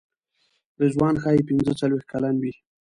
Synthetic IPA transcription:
d̪əʒwɑnxɑjepɪnzət͡salwext̪̚kalanwi

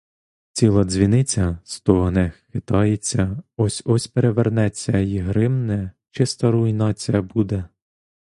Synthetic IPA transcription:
t͡sʲilˠɐzʲʋʲinɪt͡sʲɐst̪ɔɦɐnɛxxɪt̪ɑjet͡sʲːɐɔsʲɔsʲpeɾeʋernɛt͡sʲːɐjiɦɾɪmnɛt͡ʃɪst̪ɐɾuinɑt͡sʲijɐbud̪ɛ

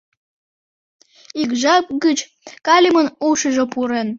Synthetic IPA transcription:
ikʒɑk̚ɡət͡ɕ | kɑlʲimənuʃəʒĕpuɾen

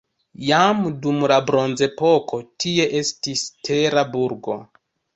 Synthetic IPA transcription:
jamdumlabɾo̞nze̞po̞ko̞tʰie̞ʔe̞stistʰe̞ɾabuɾɡo̞̰

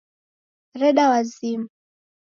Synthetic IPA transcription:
ɾɛɗawazima

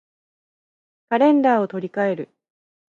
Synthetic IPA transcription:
kaɾẽ̞nd̪aːo̞t̪o̞ɾʲikae̞ɾɯ̟

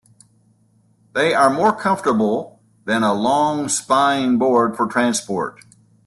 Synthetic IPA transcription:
ðeɪʔə˞mɔɹkʰʌ̃ɱftə˞bl̩ˠ | ðɨ̃ñəlɔ̃ŋspaɪɪ̃ŋbɔɹd̥fə˞tʰɹ̥æ̃nspɔ̰ɹt̚

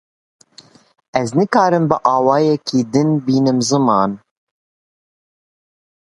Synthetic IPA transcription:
ɛznɨkɑːɾɨmbɨʔɑːwɑːjɛkʰiːd̪ɨnbiːnɨmzɨmɑːn

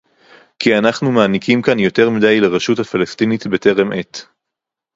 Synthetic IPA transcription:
kianaχnumaːnikʰimkanjo̞te̞ʁmidajlaʁeʃuthafalastinit̪be̞te̞ʁemʔe̞t̪

